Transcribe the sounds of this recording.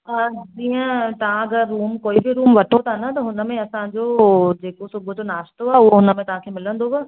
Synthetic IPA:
əːd͡ʑiːə̃t̪ɐʋ̤ãɐɡəɾːuːmkoːibʱiɾuːmʋɐʈʰot̪ʰanɐt̪ɐɦʊnə̆mẽɐsãd͡ʑod͡ʑeːkosʊbʱəd͡ʑonaːʃt̪oaʊɦoɦʊnəmẽt̪ɐɦãkʰeːmɪlə̃nd̪oʋə

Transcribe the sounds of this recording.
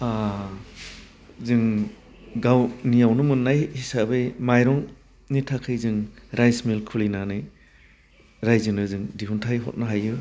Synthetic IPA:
a | zɯŋ | ɡawnijawnɯmɯnːajhisabɯjmajɾɔŋ | nitʰakʰɯjzɯŋɾajsmilkʰulinanɯj | ɾajzɯnɯzɯŋdiɦuntʰajɦɔ̰t̚naɦajɯ

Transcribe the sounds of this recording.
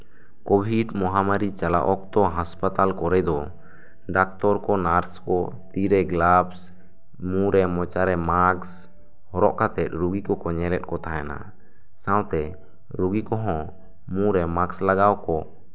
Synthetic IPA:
kɔbʱiɖmɔɦamaɾit͡ʃala̰ʔɔk̚t̪ɔɦaspat̪alkɔɾɛd̪ɔ | ɖak̚t̪ɔɾkɔnaɾskɔ | t̪iɾɛɡlabs | mũɾɛmɔt͡ʃaɾɛmaks | hɔɾɔʔkat̪ɛt̪̚ɾuɡikɔkɔɲɛlɛt̪̚ˀkɔt̪aɦajana̰ | sãwt̪ɛ | ɾuɡikɔɦɔ̃ | mũɾɛmakslaɡawkɔ

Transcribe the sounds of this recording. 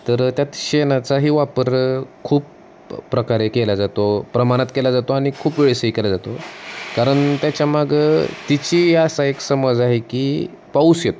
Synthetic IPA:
t̪əɾt̪jat̪ɕenat͡saɦiːʋapəɾkʰuːpː | ɾəkaɾekelad͡zat̪opɾəmaɽ̃at̪kelad͡zat̪oaɽ̃ikʰuːpʋeɭsəikelad͡zat̪okaɾəɳt̪jat͡ɕjamaɡət̪it͡ɕiːɦjasaeksəməd͡zaɦekiː | pauːsjet̪o

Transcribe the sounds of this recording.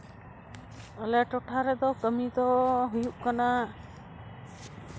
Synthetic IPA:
əlɛʈɔʈʰaɾɛd̪ɔkəmid̪ɔɦujuʔ̚kana

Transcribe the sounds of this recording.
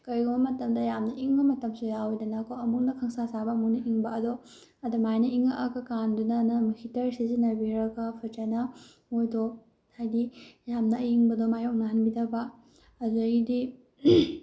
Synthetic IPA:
kɐɾiɡumbɐmɐtɐmdɐjamnɐʔiŋbɐmɐtɐmsujawojdɐnɐːkʰowɐmuk̚nɐkʰɐŋsasabɐːmuk̚nɐʔiŋbɐɐdɔ | ɐdumajnɐiŋaʔɐkɐkandunɐnɐmɐkʰitɐɾsizinɐbiɾɐkapʰɐt͡ʃanɐ | ojdɔ | hajdijamnɐiŋbɐdomajok̚nɐɦɐnbidɐbɐː | zoidi

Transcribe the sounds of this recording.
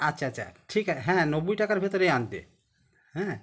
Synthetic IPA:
atːʃʰaatːʃʰa̰ʈʰikaɦɛ̃nobujʈakaɾbʱet̪ɔɾeant̪ḛ | ɦɛ̃

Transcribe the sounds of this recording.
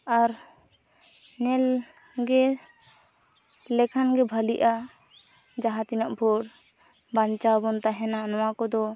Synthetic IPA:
aɾ | nɛl | ɡɛ | lɛkʰanɡɛbʱəliʔa | d͡ʒaɦat̪inaʔbʱɔɽ | bant͡ʃabɔnt̪aɦɛnanɔwakɔd̪ɔ

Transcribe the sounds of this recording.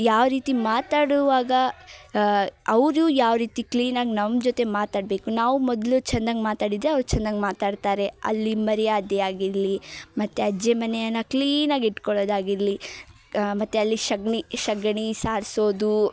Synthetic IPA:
jaːʋɾiːt̪imaːt̪aːɽuʋaːɡɐ | ɐʋɾuːjaːʋɾiːt̪ikliːnaːɡinɐmd͡ʒot̪e̞maːt̪aːɖbe̞ːkunaːʋumɔd̪lut͡ʃɐnd̪aŋɡmaːt̪aːɽid̪ɾeɐʋɾut͡ʃɐnd̪aŋɡmaːt̪aːɖt̪aːɾe̞ɐ̰lːimɐɾɛjaːd̪jɛaːɡiɾlimɐt̪ːeɐd͡ʒemɐnɛjɐnːɐkliːnaːɡiʈkɔɭoːd̪aːɡiɾli | mɐt̪ːeɐlːiʃɐɡɳiʃɐɡɳisaːɾsoːd̪u

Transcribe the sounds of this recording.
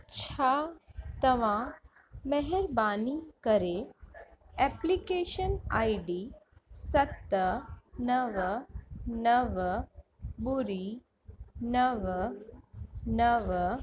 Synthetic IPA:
t͡ɕʰat̪ɐʋã | mɛɦɛɾbanikəɾe | ɛplikeʃənajɖisɐt̪ːənəʋ | nəʋ | buɾi | nəʋ | nəʋ

